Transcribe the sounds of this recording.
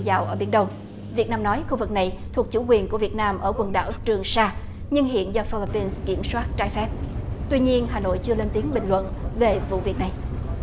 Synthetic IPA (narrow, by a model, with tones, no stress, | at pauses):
za̰ː˧˨wʔəː˧˩ɓi˧˩ənɗə˧wŋ͡m | vi˨˩ət̚naː˧mnɔ˨˦jxu˧vɨ˨˩k̚na˨˩jt̪ʰu˨˩ək̚t͡ɕu˧˩kwi˨˩ənku˧˩əvi˨˩ət̚naː˧mʔəː˧˩kwə˨˩nɗa̰ː˧˩wt͡ɕɨ˨˩əŋsaː˧ | ɲɨ˧ŋɦḭ˧˨ənzɔ˧fi˧li˧pi˧nskḭ˧˩əmswaː˦˥t̚t͡ɕaː˧˩jfɛ˦˥p̚t̪wi˧ɲi˧ənɦaː˨˩no̰˧˨jt͡ɕɨ˧əle˧nt̪i˨˦əŋɓï˨˩ŋ̟lwə̰˧˨nve˨˩vṵ˧˨vi˨˩ək̚na˨˩j